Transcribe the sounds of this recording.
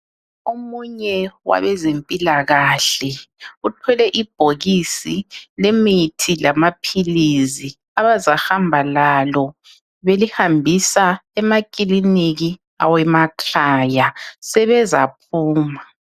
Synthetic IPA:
omuɲɛwa̰βɛzempʼilaɣaːɬɛutʰɔlɛʔib̥ʱoɣisilemitʰilamapʰilizi | aβazahambʱalalɔ | βelihambʱisaɛmakʼiliniɣi | a̰wɛmakʰajasɛβɛza̰pʰuːma

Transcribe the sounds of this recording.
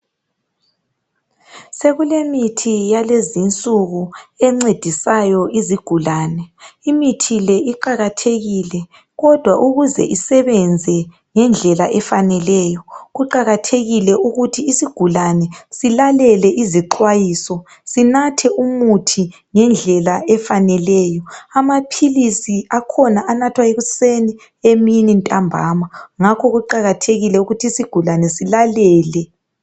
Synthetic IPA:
seɣulemitʰijalezint͡sʼuɣuɛŋ͡ǀed̥ʱisajɔʔiziɡ̥ʱulaːnɛimitʰilɛʔiǃaɣatʰeɣilɛ | ɣɔd̥ʱwaʔuɣuzɛ̰ʔisɛβɛnd͡zʱɛ | ŋɛnd͡ɮʱɛlaʔɛfanɛlɛːjɔɣuǃaɣatʰeɣilɛʔuɣutʰiːsiɡ̥ʱulanɛsilalɛlɛʔiziǃwajiːsɔ | sinatʰɛʔumutʰi | ŋɛnd͡ɮʱɛlaɛfanɛlɛjɔamapʰilisiakʰɔnaʔanatʰwaeɣuseni | eminintʼambʱa̰ːmaŋakʰɔɣuǃaɣatʰeɣilɛuɣutʰiːsiɡ̥ʱulanɛsilalɛːlɛ

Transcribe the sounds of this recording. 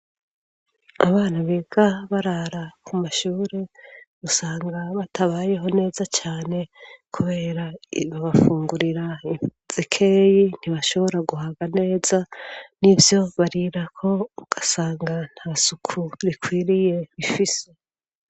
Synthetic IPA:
aβaːnaβeːɡ̥aβaɾaɾakʰumaʃuːɾe̞usaːŋɡaβatʰaβaːje̞ɦo̞ne̞ːzat͡ʃaːne̞kʰuβe̞ːɾaβaβafuːŋɡuɾiɾai | z̥ikʰejin̥iβaʃo̞βo̞ɾaɡuɦaɡane̞ːzanivjo̞βaɾiɾakʰo̞uɡ̥asaːŋɡan̥haːsukʰuɾikʰwiːɾije̞βifise̞

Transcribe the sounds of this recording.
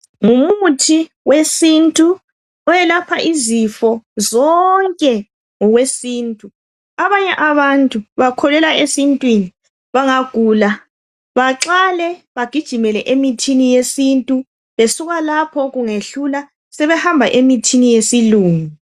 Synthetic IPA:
ŋumutʰi | wesintʼu | ɔjɛlapʰaʔizifɔzɔŋkʼɛ | ŋɔɣwesiːntʼu | aβaɲɛʔaβantʼuβakʰɔlɛlaesintʼwini | βaŋaɡ̥ʱuːla | βaǁalɛβaɡ̥ʱid̥ʒ̥ʱimɛlɛʔemitʰinijesintʼu | βesuɣalapʰɔɣuŋeɬula | sɛβɛhambʱaʔemitʰinijesiluːŋu

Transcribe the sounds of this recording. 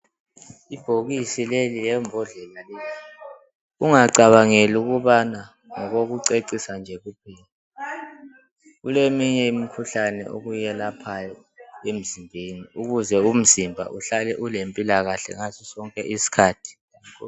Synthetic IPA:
ib̥ʱoɣisilelilɛmbʱɔɮɛlalɛːli | uŋaǀaβaŋeluɣuβana | ŋɔɣoɣuǀeǀisand͡ʒʱɛɣupʰiːlia | ɣulemiɲɛimikʰuɬanɛ̰ʔo̰ɣujɛlapʰajɔ | em̩zimbʱeniuɣuzɛum̩zimbʱa̰ʔuɬalɛʔulempʼilaɣaɬɛ̰ŋazisɔŋkʼɛʔisi̥kʰaːtʰi̥

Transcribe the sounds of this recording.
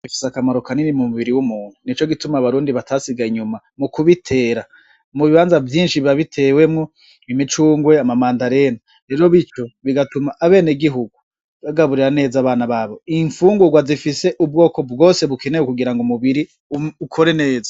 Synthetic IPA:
ifi̥sakamaɾo̞kaninimumuβiɾiwumuːn̥hunit͡ʃo̞ɡitumaːβaɾuːndiβatʰaːsiɡaiɲuma | mukuβitʰe̞ːɾa | muβiβaːnzavjiːnʃiβaβitʰe̞we̞mŋo | βimit͡ʃuːŋɡwe̞amamaːndaɾe̞na | ɾe̞ːɾo̞βit͡ʃo̞βiɡatumaʔːβe̞ːneɡiɦuɡu | βaɡaβuɾiɾane̞ːzaβaːnaβaːβo̞iɱfuːŋɡuɡwazifise̞ʔub̚ɡo̞ːko̞bɡo̞ːse̞βuke̞nejwukuɡiɾaŋɡumuβiɾi | ukʰo̞ɾe̞ne̞ːzḁ

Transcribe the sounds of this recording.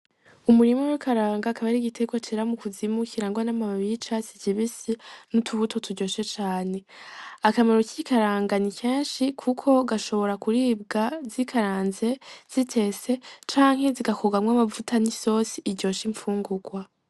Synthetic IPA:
umuɾimowekʰaɾaːŋɡakaβaɾiɟitʰeɡwat͡ʃiɾamukuzimukiɾaːŋɡwanamaββit͡ʃasiciβisinutʰuβutʰo̞tuɟo̞ːʃe̞t͡ʃaːne̞akameɾo̞cikaɾaːŋɡanikʰeːnʃikʰukʰo̞ɡaʃo̞βo̞ɾakuɾiːbɡazikʰaɾaːnze̞z̥itʰe̞se̞t͡ʃaːŋhe̞ziɡakoɡamŋwamavutʰaniso̞siːɾɟo̞ʃiɱfuːŋɡuɡwa

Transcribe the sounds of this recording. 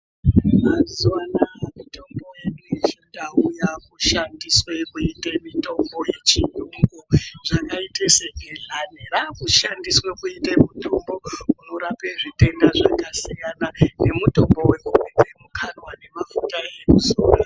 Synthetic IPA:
mazuwanamito̞mbo̞jeɗuet͡ʃondaujakuʃandiswe̞kuitemito̞mbo̞je̞t͡ʃiɲuŋɡoʐakaitʰeseɡʱeɮaneɾakuʃandiswe̞kuitemito̞mbo̞uno̞ɾapeʐite̞ndaʐakasijanane̞muto̞mbo̞we̞kuked͡zemukʰanwane̞mafutaekuzo̰ːro

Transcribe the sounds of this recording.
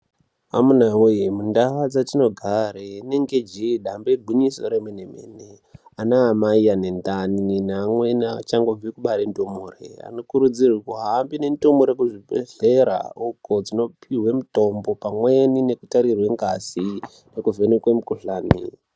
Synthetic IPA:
a̰munaŋweimundaad͡zatino̞ɡʱareneŋɡed͡ʒeɗambebʱuɲiso̞ɾemweneme̞̰ːne | anaːmaijanendaninaŋwenat͡ʃaŋɡob͡vikuɓaɾendomurḛa̰no̞kuɾud͡zirikoɦaːmbine̞ntomuɾekuʐibḛɮe̞ɾa̰uko̞d͡zino̞piɦwe̞muto̞mbo̞pamwe̞nine̞kutaɾirwe̞ŋɡasi | nekuvenekwemukuɬaːnḭ

